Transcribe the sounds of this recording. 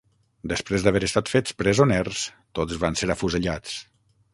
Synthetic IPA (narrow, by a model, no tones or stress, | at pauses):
d̪əspɾezd̪əβeɾəst̪at̪fet͡spɾəzuneɾst̪ozβanseɾafuzəʎat͡s